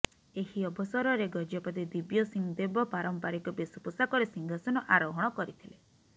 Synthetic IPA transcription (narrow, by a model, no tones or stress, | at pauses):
ehiɔbʱɔsɔɾɔɾeɡɔd͡ʒɔpɔt̪id̪ibjɔsiŋd̪ebɔpaɾɔmpaɾikɔbesupusakɔɾesiŋɡʱasɔnɔʔaɾɔɦɔɽ̃ɔkɔɾit̪ʰile